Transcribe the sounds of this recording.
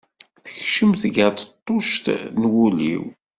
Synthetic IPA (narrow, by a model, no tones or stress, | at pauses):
θə̥çʃəmθɡəɾt̪ət̪ˤːoʃt̪nwulḭw